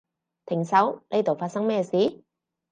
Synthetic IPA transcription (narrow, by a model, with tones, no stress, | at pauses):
t̪ʰɪ˨˩ŋsɐ˨˥wne˥jt̪o˨wfaː˧t̚sɐ˥ŋmɛː˧siː˨˥